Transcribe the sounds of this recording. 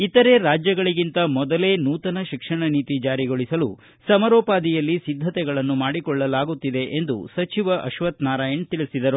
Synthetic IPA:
it̪ɐɾe̞ɾaːd͡ʒjɐɡɐɭiɡint̪ɐmɔd̪ɐle̞ːnuːt̪ɐnɐʃikʂɐɳɐniːt̪id͡ʒaːɾiɡoɭisɐlu | sɐmɐɾɔːpaːd̪ijɐlːisid̪ʱːɐt̪ɛɡɐɭɐnːumaːɽikɔɭːɐlaːɡut̪ːid̪e̞ʔend̪ṵsɐt͡ʃiʋɐʔɐʃʋɐt̪naːɾaːjɐɳt̪iɭisid̪ɐɾu

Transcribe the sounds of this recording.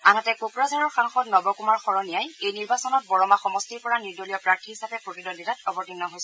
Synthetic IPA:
anatɛkokɹazaɹɔɹxaŋxɔtnɔbɔkumaɹxɔɹɔnijajejniɹbasɔnɔt̚bɔɹɔmaxɔmɔstiɹpɔɹaniɹdolijɔpɹaɹtʰihisapɛpɹotidonditatɔbɔɹtinːɔɦojs

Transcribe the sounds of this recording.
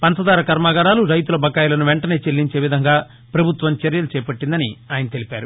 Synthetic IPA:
pɐnt̪ɐd̪aːɾɐkɐɾmaːɡɐɾaːluɾɐjt̪ulɐbʱɐkːaːjulɐnuʋeɳʈɐne̞ːt͡ʃelːiɲt͡ʃe̞ːʋid̪ʱɐŋɡaː | pɾɐbʱut̪ʋɐmt͡ʃɐɾjɐlut͡ʃɛːɐpɐʈːind̪ɐniaːjɐnɐt̪e̞lipaːɾu

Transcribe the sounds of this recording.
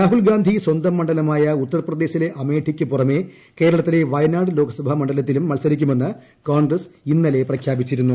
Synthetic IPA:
ɾaːɦulɡaːnd̪ʱiswɐnd̪ɐmːɐɳɖɐlɐmaːjɐut̪ːɐrɐprɐd̪e̞ːɕile̞ʔɐme̞ːʈʰikʲːɨpurɐme̞ | ke̞ːɾɐɭɐt̪ːile̞ʋɐjnaːɽɨlo̞ːɡɐsɐbʱɐmɐɳɖɐlɐt̪̬ːilumːɐlsɐɾikʲːume̞nːɨ | koːnɡrɐsinːɐle̞prɐkʰjaːbit͡ɕːiɾunːu

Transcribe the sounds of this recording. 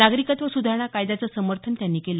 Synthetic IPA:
aɡɾikat̪ʋəsud̪ʱaɾɳ̃akajd̪at͡səːsəməɾt̪ʰənt̪janːiːkelə

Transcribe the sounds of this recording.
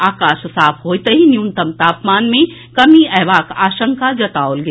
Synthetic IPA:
aːkaːʃsaːfʰɦoːit̪ɐɦinjunt̪ɐmt̪aːpmaːnmẽ | kɐmiɛːʋaːkaːʃə̃ŋkad͡ʒɐt̪aːolɡe

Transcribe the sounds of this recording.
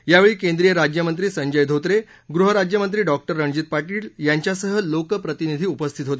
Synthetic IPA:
jaʋeɭiːkẽnd̪ɾijəɾad͡ʑjəmənt̪ɾiːsəɲd͡ʑəjd̪ʱot̪ɾe | ɡɾuɦəɾad͡ʑjəmənt̪ɾiːɖɔk̚ʈəɾːəɳd͡ʑit̪̚paʈiːljaɲt͡ɕjasəɦəlokəpɾət̪inid̪ʱiːupəst̪ʰit̪ɦot̪e

